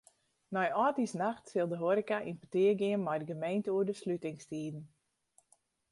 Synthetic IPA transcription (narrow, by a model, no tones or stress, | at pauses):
nɔjɔːtisnaxtsɪlˠdəɦoɾikaʔinpətɪəɡɪənmɛjdəɡəmejntəuədəslytɪŋstiːdn̩